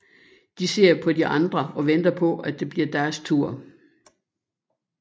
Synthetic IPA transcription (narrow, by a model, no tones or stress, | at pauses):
d̥ise̝ɐ̰pʰɒ̽diʔɑ̈nd̥ʁɐɒ̽ʋend̥ɐpʰɒ̽æd̥e̝b̥liɐd̥æɐst͡sʰuɐ̰